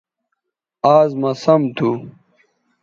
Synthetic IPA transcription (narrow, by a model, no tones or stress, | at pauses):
aːzmɐsɐmt̪ʰu